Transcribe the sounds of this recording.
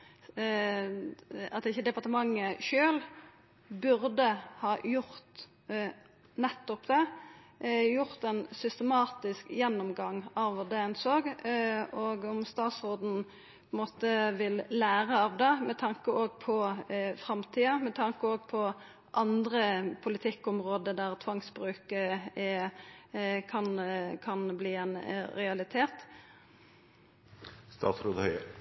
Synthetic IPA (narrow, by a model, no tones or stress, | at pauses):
ɑt̪ɪçːəd̪ɛpɑʁt̪əmɑŋːəʃøːl | bʉɾd̪əhɑːjʊʁt̪ | nɛt̪ːɔpd̪ɛ | jʊʁt̪ɛnsʏst̪əmɑːt̪ɪskjɛnːɔmɡɑŋːɑʋʋɑd̪ɛɛnsoːɡ | oːɡɔmst̪ɑːt̪sʁoːd̪n̩ | ppʰɔɪnmoːt̪əʋɪlːæːɾəɑʋd̪ɛmɛt̪ʰɑŋkəoːɡpʰɔfɾɑmt̪ʰiːɑmɛt̪ʰɑŋkəoːɡpʰɔ | ʔɑnd̪ʁəpʰʊlɪt̪ʰɪkːɔmʁoːd̪əd̪æʁt̪ʰʋɑŋsbɾʉːkəɛ | kʰɑnkʰɑnbliːɛnɾɛɑlɪt̪ʰeːt̪ | st̪ɑ̰ːt̪sɾoːd̪hœʏə